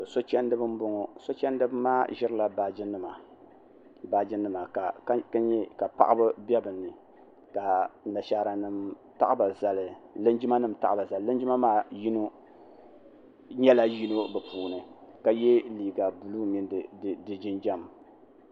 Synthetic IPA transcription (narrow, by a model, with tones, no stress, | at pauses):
so˦t͡ʃɛ˦ndɨ˦bɨ˦m˦bʊ˦ŋɔ˦so˦t͡ʃɛ˦n˦dɨ˦bɨ˦maː˦ʒɪ˦ɾɨ˦la˨ba˦˨d͡ʒɪ˦nɨ˦ma˨ | ba˦d͡ʒɪ˦nɨ˦ma˨ka˨kka˦ɲɛ˦ka˨pa̰˨ʔɨ˦bɨ˦bɛ˦bɨ˨nːɨ˨ | ka˨na˨ʃaː˨˦ɾa˨nɨ˨m | ta˦ʔɨ˦ba˨za˨lɨ˨lɨ˦nd͡ʒi˦ma˦nɨ˨mta̰˨ʔɨ˦ba˨za˨llɨ˦nd͡ʒi˦ma˦maː˦ji˦no˦ | ɲɛ˦la˦ji˦no˦bɛ˨puː˨nɨ˨ka˨jɛ˦liː˨ɡa˨bu˨lu˦mi˦n˨dɨ˨d͡ʒɪ˦nd͡ʒɛ˦m˨